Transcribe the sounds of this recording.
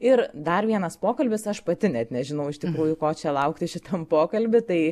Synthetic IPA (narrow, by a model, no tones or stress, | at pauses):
ɪɾd̪ɐɾʋʲiɛnɐspoːkɐlʲbʲɪsɐʃpɐt̪ʲɪnʲɛt̪nʲɛʒʲɪnɐʊɪʃt̪ʲɪkɾuːjʊkoːt͡ʃʲɛlˠɐʊkt̪ʲɪʃʲɪt̪ʰɐmpoːkɐlʲbʲɪt̪ɐɪ